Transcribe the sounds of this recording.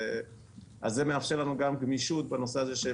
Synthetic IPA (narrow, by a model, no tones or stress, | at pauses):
azːemeafʃelanuɡamɡmiʃut̪̚banoseazeʃe